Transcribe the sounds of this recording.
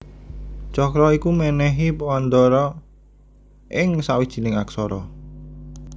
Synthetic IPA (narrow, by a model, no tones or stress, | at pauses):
t͡ʃɔkɾɔikumɛnɛɦipɔwand̪ɔɾɔ | ʔɪŋsawid̥ʒ̥i̤nɪŋaksɔɾɔ